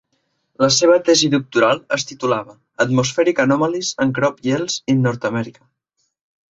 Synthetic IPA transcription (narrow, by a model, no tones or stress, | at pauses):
ləseβ̞ət̪ɛziðuk̚t̪uɾalˠəst̪it̪ulaβə | ət̪musfɛɾikənɔməlizəŋkɾɔpjelˠz̥inɔɾt̪əmɛɾikə